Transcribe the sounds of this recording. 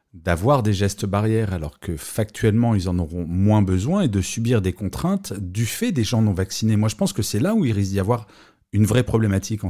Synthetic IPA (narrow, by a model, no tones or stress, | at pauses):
d̪avwaʁd̪eʒɛst̪baʁjɛʁalɔʁkəfak̚t̪ɥɛlmɑ̃ilzɑ̃nɔʁɔ̃mwɛ̃bəzwɛ̃ed̪əsybiʁd̪ekɔ̃t̪χɛ̃t̪d̪yfɛd̪eʒɑ̃nɔ̃vaksinemwaʒəpɑ̃skəsɛlauilʁistd̪iavwaʁ | ynvʁɛpχɔblɛmat̪ʰikɑ̃